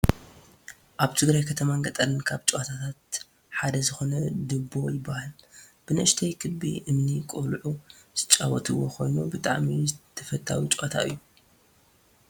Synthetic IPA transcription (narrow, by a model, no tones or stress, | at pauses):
ʔaβt̪ʰɨɡɾajkʰɐt̪ʰɐmaŋɡɐt̪ʼɐlɨnkʰaβt͡ʃʼoat̪ʰat̪ʰat̪̚ | ħad̪ɐzɨxo̞nɐd̪ɨbːo̞jɪbːahalb̥ɨnɨʔɨʃt̪ʰɐjkʰɨbḭʔɨmnikʼulʕuz̥ɨt͡ʃʼːawɔt̪ʰɨwo̞̰kʰo̞̰jnubɨt̪ʼa̰ʕmizɨt̪ʰɐfɐt̪ʰːa̰wit͡ʃʼoʔat̪ʰa̰ʔɨ̰jːu